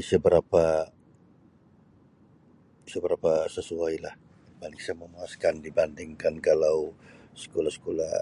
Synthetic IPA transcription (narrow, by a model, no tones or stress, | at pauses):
səbəɾapa | səbəɾapasəsuajlah | balɪk̚sajməmaaskandibandɪŋkankalawsə̥kolahsə̥kola̰